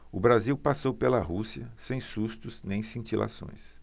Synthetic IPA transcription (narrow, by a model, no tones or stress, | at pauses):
ʊbɾaziwpasowpelɐɦusiɐsẽj̃sust̪ʊsnẽj̃sĩnt͡ʃilʔa̰sõ̰j̃s